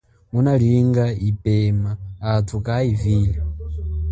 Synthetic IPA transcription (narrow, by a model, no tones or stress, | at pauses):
unaliŋɡaipɛmaːtʰukʼaiviːla